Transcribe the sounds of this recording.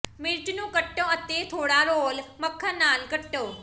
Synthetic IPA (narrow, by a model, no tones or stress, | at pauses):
mɪɾʈnũːkəʈːõət̪et̪ʰoːɽaɾoːlməkʰːanaːlkəʈːõː